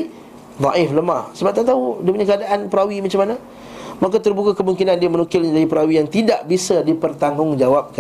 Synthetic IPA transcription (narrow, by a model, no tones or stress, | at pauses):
d̪ˤɑ̰ʔɪfləmahsəbap̚t̪aʔt̪audipuɲakəadaʔanpəɾawimat͡ʃamːana | makat̪ərbukakəmuŋkinãndiamənukɪlɲadaɾipəɾawijaŋt̪idaʔbisadipərt̪aŋʊŋd͡ʒawap̚ka